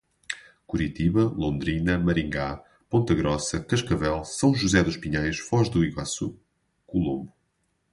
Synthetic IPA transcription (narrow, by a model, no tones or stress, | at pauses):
kuɾit̪iβɐlˠõnd̪ɾinɐmɐɾĩŋɡa | põnt̪ɐɣɾɔsɐkɐʃkɐvɛlˠsɐ̃w̃ʒuzɛðuʃpiɲajʃfɔʒd̪uiɣwa̰su | kulˠõmbu